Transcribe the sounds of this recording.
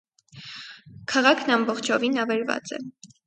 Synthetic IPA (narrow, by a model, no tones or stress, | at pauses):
kʰɑʁɑkʰnɑmbɔχt͡ʃʰɔvinɑvɛɾvɑ̰t͡sɛ̰